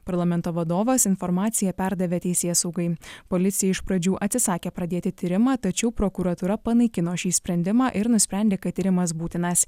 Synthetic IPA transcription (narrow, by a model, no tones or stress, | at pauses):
pɐɾlˠɐmʲɛnt̪oːʋɐd̪oːʋɐsɪnfɔɾmɑːt̪sʲɪjɛpʲæɾd̪ɐʋʲeːt̪ʲɛɪsʲeːsɐʊɡɐɪpoːlʲɪt̪sʲɪjɛɪʃpɾɐd͡ʒʲuːʔɐt̪ʲsʲɪsɑːkʲeːpɾɐd̪ʲeːt̪ʲɪt̪ʲiːɾʲɪmɑːt̪ɐt͡ʃʲɛʊpɾokuɾɐt̪uːɾɐpɐnɐɪkʲɪnoːʃʲiːsʲpʲɾʲɛnʲd̪ʲɪmɑːʔɪɾnʊsʲpʲɾʲæˑnd̪ʲeːkɐt̪ʲːiːɾʲɪmɐs̬buːt̪ʲɪnɐs